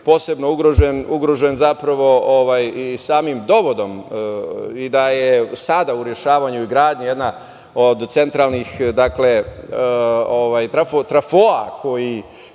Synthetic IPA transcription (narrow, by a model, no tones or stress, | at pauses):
po̞ːse̞bno̞uɡɾoʒenuɡɾo̞ʒenzapɾaʋo̞oʋajisaːmimd̪o̞ʋo̞d̪o̞m | id̪ajesad̪auɾje̞ʃaːʋaɲuiɡɾaːd̪ɲijed̪na | od̪t̪se̞nt̪ɾalˠnixd̪akle̞ | oʋajt̪ɾafot̪ɾafoa̰kʰo̞ji